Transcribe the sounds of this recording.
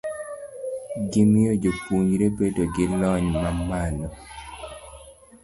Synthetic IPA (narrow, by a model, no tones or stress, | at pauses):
ɡɪmɪod͡ʒopuɲɾebedoɡɪlɔɲmamalɔ